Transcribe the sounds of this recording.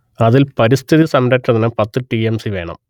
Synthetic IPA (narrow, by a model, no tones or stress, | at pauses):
ɐðilpɐɾist̪ʰiðisɐmɾɐʈːɐðinɨpɐt̪ːɨʈiemsiʋe̞̰ːɳɐ̰m